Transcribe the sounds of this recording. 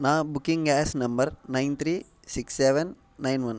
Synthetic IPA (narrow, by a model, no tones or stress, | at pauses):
nãːbʊkːɪ̃ŋɡaːsnɐmbɐɾnɐɪnt̪ʰɾiː | sɪksːɛʋɛnː | ɐɪnʋɐn